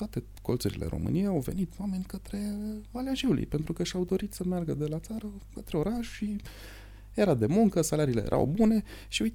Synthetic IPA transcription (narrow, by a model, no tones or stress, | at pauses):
t̪oat̪e̞ | ko̞lt̪suɾḭlʔḛɾʔo̞̰mɨ̰nijejawve̞̰nit̪uwame̞nʲkət̪ɾe̞valʲaʒiwlḭjpe̞nt̪ɾukəʃawd̪o̞ɾit̪səmearɡəd̪e̞lat̪saɾəkət̪ɾe̞o̞ɾaʃʃi | je̞ɾad̪e̞muŋkəsalaɾiːlejeɾʔa̰wbune̞ | ʃiuj